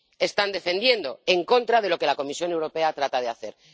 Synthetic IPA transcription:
e̞st̪and̪e̞fe̞nd̪je̞nd̪o̞e̞ŋko̞nt̪ɾað̞e̞lo̞ke̞lako̞misjo̞ne̞wɾo̞pe̞at̪ɾat̪að̞eaθe̞ɾ

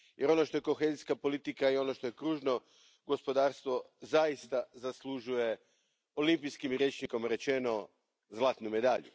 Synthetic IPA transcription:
jʔe̞ɾo̞no̞ʃt̪o̞je̞ko̞xe̞ziskapo̞lit̪ikaio̞noʃt̪o̞je̞kɾuːʒno̞ | ɡo̞spo̞d̪aːɾst̪ʋo̞zajist̪azaslˠuʒuje̞ | o̞limpijskimɾʲjet͡ʃnikomɾe̞t͡ʃe̞no̞ | zlˠaːt̪nume̞d̪aʎṵ

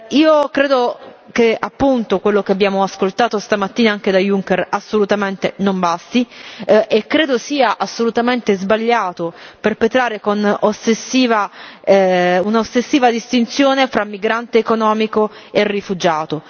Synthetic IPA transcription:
iːokɾeːd̪okeapːunt̪okwelːokeabjaːmoaskolt̪aːt̪ost̪amat̪ːiːnaaŋk̟ed̪ajuŋkɛrasːolut̪ament̪enombast̪i | ekːɾeːd̪osiːaʔasːolut̪ament̪ezbaʎːaːt̪operpet̪ɾaːɾekonosːesːiːva | unaosːesːiːvad̪ist̪int̪sjoːnefɾamːiɡɾant̪eːkonɔːmiko | erːifud͡ʒaːt̪o

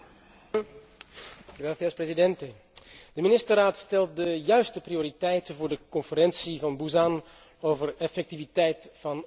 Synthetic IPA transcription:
raːθjasprezidɛntə | d̥əminɪstəraːtstɛlˠt̚dəjœɥstəprioːɾitɛjtəvʊːɹdəkɔnfəɾɛnsivɑnbuzan | owvərɛfɛk̚tivitɛjtfɑn

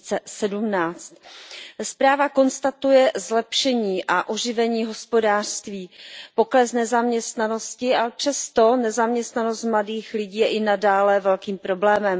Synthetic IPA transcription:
t͡sɛsɛdumnaːt͡st̪spɾaːvako̞nst̪at̪ujɛzlɛpʃɛɲiːʔaʔoʒɪvɛɲiːɦo̞spo̞daːr̥st̪viːpo̞klɛsnɛzamɲɛst̪nano̞scɪʔapr̥ɛst̪o̞nɛzamɲɛst̪nano̞st̪̚mladiːxlɪɟiːjɛʔɪnadaːlɛvɛlkiːmpɾo̞blɛːmɛm

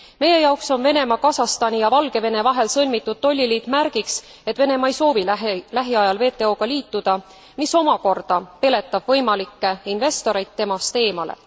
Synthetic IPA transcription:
me̞je̞jɑokso̞nve̞ne̞mɑkɑsɑst̪ɑnʲijɑvɑlɡ̥e̞ve̞ne̞vɑɦe̞lsɤlʲmit̪ːud̪̥̚t̪o̞lʲːiliːt̪mærɡ̥iks | e̞t̪ːve̞ne̞mɑe̞jso̞ːvillæɦiɑjɑlve̞ːt̪ːˑe̞o̞ːɡ̥ɑliːt̪ːud̪̥ɑ | miso̞mɑko̞rd̪̥ɑpe̞le̞t̪ˑːɑb̥vɤjmɑlikːe̞inve̞st̪o̞ɾe̞jt̪ːe̞mɑst̪e̞ːmɑlḛ

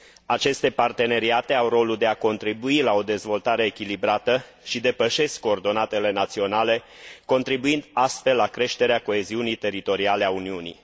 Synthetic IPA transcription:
at͡ʃe̞st̪e̞part̪e̞ne̞ɾiat̪e̞awro̞lud̪e̞ako̞nt̪ɾibuilao̞d̪e̞zvo̞lt̪aɾe̞ːkʲilibɾat̪ə | ʃid̪e̞pəʃe̞skko̞ːrd̪o̞nat̪e̞le̞nat̪sio̞nale̞ | ko̞nt̪ɾibuind̪ast̪fe̞lːakɾe̞ʃt̪e̞ɾeako̞e̞ziunit̪e̞ɾit̪o̞ɾiale̞auniunḭ

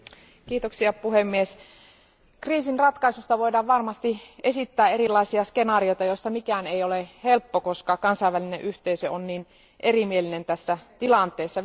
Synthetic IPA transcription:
kiːt̪oksiɑpuhemːies | kriːsinrɑt̪kɑisust̪ɑʋo̞idɑːʋʋɑrmɑst̪ie̞sit̪ːæːe̞ɾilːˑɑisiɑske̞nɑːrio̞jt̪ɑjo̞st̪ɑmikæːnejolehe̞lpːokoskɑkɑnsɑiʋːælineʔyht̪eisøonniːn | ʔerimielinent̪æsːæt̪ilɑnt̪ˑeːsːɑ

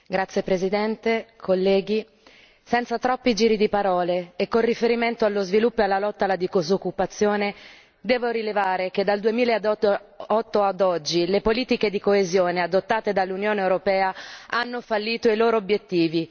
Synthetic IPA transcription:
ɡɾat̪sːjepɾezid̪ɛnt̪ekʰolːɛːɡi | sɛnt̪sat̪ɾɔpːid͡ʒiːɾid̪ipaɾɔːleːkːonrifeɾiment̪oalːozvilupːoalːalɔt̪ːalad̪ikozokːupat̪sːjoːne | d̪ɛːvoɾilevaːɾek̟ed̪ːald̪uemiːlad̪ɔt̪ːoad̪ɔd͡ʒːilepoliːt̪iked̪ikoezjoːnead̪ot̪ːaːt̪ed̪alːunjoːneewɾopɛːaanːofalːiːt̪oiloːɾoːbjet̪ːiːvi

